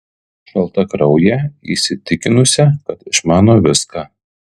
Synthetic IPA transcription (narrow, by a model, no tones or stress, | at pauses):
ʃɐlˠt̪ɐkɾɒʊjɛḭːsʲɪt̪ʲɪkʲɪnʊsʲɛkɐt̪ɪʃmɑːnoːʋʲɪskɑː